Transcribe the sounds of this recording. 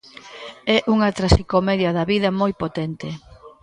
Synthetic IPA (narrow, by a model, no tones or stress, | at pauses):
ɛʔuŋɐt̪ɾasikomɛðjɐðɐβiðɐmojpot̪ɛnt̪ɪ